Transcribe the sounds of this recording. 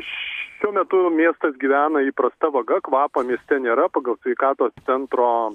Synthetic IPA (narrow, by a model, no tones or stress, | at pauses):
ʃuɔmʲɛt̪ʊmʲiɛst̪ɐsɡʲiːʋʲæːnɐiːpɾɐst̪ɐʋɐɡɐkʋɑːpoːmʲiɛsʲt̪ʲɛnʲeːɾɐpɑɡɐlˠsʲʋʲɛɪkɑːt̪oːst̪sʲɛnt̪ɾoː